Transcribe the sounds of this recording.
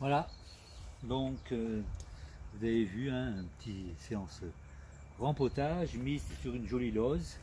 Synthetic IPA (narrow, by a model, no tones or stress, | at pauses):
vwala | d̪ɔ̃kø | vuzavevyɛ̃ɛ̃pət̪ʰiseɑ̃s | ʁɑ̃pɔt̪aʒmizsyʁynʒɔlilɔz